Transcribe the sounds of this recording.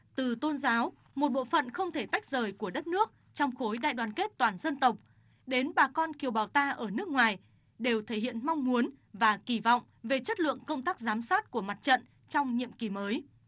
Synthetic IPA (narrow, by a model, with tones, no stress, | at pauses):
t̪ɨ˨˩t̪o˧nzaː˨˦w | mo˨˩t̚ɓo̰˧˨fə̰˧˨nxə˧wŋ͡mt̪ʰe˧˩t̪a˦˥jk̚zəː˨˩jku˧˩əɗə˦˥t̚nɨ˦˥ək̚ | t͡ɕɔ˧wŋ͡mxo˨˦jɗa̰ː˧˨jɗwaː˨˩nke˦˥t̚t̪waː˨˩nzə˧nt̪ə˨˩wk͡p̚ | ɗe˨˦nɓaː˨˩kɔ˧nki˨˩əwɓaː˨˩wt̪aː˧ʔəː˧˩nɨ˦˥ək̚ŋwaː˨˩j | ɗe˨˩wt̪ʰe˧˩hḭ˧˨ənma˧wŋ͡mmu˨˦ən | vaː˨˩ki˧˩vɔ̰˧˨wŋ͡m | ve˨˩t͡ɕə˦˥t̚lɨ̰˧˨əŋkə˧wŋ͡mt̪aː˦˥k̚zaː˨˦msaː˦˥t̚ku˧˩əma˨˩t̚t͡ɕə̰˧˨n | t͡ɕɔ˧wŋ͡mɲḭ˧˨əmki˨˩məː˨˦j